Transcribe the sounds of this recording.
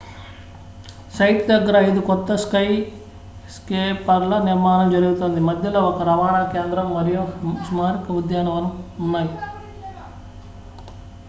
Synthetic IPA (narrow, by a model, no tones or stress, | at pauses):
sɐjʈd̪ɐɡːɐɾɐɐjid̪ukɔt̪ːɐskɐj | skeːpɐɾlɐniɾmaːɳɐmd͡ʒɐɾuɡut̪oːnd̪imɐd̪ʱjɐlɐɔkːɐɾɐʋaːɳakeːnd̪ɾɐmːɐɾijusumaːɾikɐud̪jaːɳɐʋɐnːuunːaːji